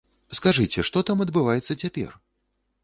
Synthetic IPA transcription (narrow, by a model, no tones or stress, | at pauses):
skaʐɨt͡sʲɛʂt̪ɔt̪amɐd̪bɨvajɛt̪sːɐt͡sʲapʲɛ̰r